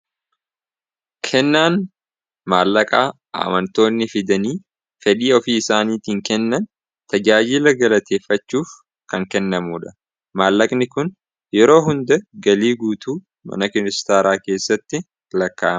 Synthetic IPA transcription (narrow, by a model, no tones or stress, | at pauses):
kʰɛnːaːn | maːlːɐkʼaː | a̰ːmɐnt̪o̞ːnːɪfɪd̪ɐniː | fɛᶑiːɔfiːɪsaːniːt̪iːŋkɛnːɐn | t̪ɐd͡ʒaːd͡ʒɪlɐɡɐlɐt̪ʰe̞ːfːɐt͡ʃːuːf | kɐŋkɛnːɐmuːᶑɐ̥ | maːlːɐkʼnɪkʊn | jɛɾo̞ːɦʊnd̪ɛɡɐliːɡuːt̪uː | mɐ̰nɐkɪnɪst̪aːɾaːke̞ːsːɐt̪ːɪ | lɐkːaʔɐ